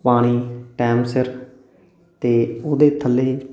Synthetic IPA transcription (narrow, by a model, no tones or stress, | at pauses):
paːɽ̃iːʈɛːmsɪɾ | t̪eːoːd̪eːt̪ʰəlːeː